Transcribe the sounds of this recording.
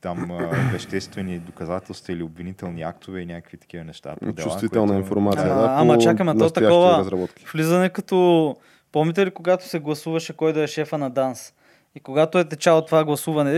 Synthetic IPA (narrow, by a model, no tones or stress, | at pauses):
t̪amvɐʃt̪ɛst̪vɛnid̪okɐzat̪ɛlˠst̪vɐiliobvinit̪ɛlˠniakt̪ovɛinʲjakə̥kvit̪ɐ̥kivɐnɛʃt̪a̰pod̪t͡ʃusˠviɛlˠnəinfoɾmat̪sid̪aamɐt͡ʃakɐmɛɔt̪ɐakɔvəɐzɾɐbɔt̪ki̥flizɐnɛkɐt̪ɔ | pɔmit̪̬ɛlikoɡat̪o̥sɛɡlˠɐsuvɐʃɛkɔjd̪oɛʃɛfənɐd̪ans | ikoɡat̪oɛt̪ɛt͡ʃalˠot̪ːovaɡlˠɐsuvɐnɛ